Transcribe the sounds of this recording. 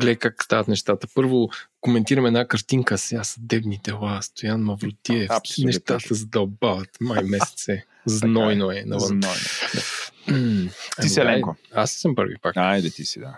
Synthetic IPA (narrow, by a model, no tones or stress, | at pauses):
ɡlɛkakːst̪aɐt̪nɛʃt̪at̪əpɤɾvokomɛnt̪iɾɐmɛd̪nakɐɾt̪iŋkəsasɐd̪ɛbnid̪ɛlˠast̪ojanmɐvɾot̪iɛfpsnɛʃt̪at̪əzɐd̪ɐobavɐt̪majmɛsɛ̥t̪sɛ | znɔjnoɛnɐ̰vənnɔjn̩ | ɐiisɛlɛkoassəmpɤɾvḭpakajd̪ɛt̪isid̪a